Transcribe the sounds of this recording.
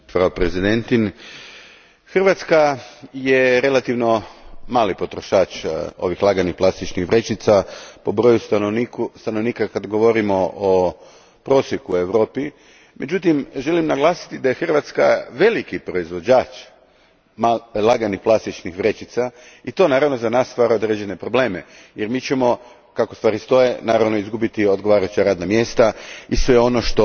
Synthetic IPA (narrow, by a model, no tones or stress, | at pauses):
pɾaopɾezid̪ent̪in | xr̩ʋat̪skajeɾe̞lat̪iʋno̞maːlipo̞t̪ɾo̞ʃaːt͡ʃo̞̰ʋixlˠaɡanixplˠast̪it͡ʃnixʋɾe̞t͡ʃit̪sapo̞bɾo̞ːjusonikust̪ano̞ʋniːkakad̪ɡo̞ʋo̞ɾimo̞ʔo | pɾo̞sjekue̞ʋɾo̞ːpi | me̞d͡ʑut̪imʒe̞limnaɡlˠaːsi̥t̪id̪ajexr̩ʋat̪ska̰ʋe̞likipɾo̞izʋo̞d͡ʑaːt͡ʃ | malˠaɡanixplˠast̪it͡ʃnixʋɾe̞t͡ʃit̪sa | it̪o̞naːɾaʋno̞zanaːst̪ʋaːɾaod̪ɾeːd͡ʑene̞pɾo̞ble̞ːmḛ | jeɾmiːt͡ɕemo̞ | kakost̪ʋaːɾist̪o̞je̞naːɾaʋno̞izɡubit̪io̞d̪̚ɡo̞ʋaːɾajut͡ʃaɾaːd̪namje̞ːst̪aisʋe̞o̞no̞ʃt̪o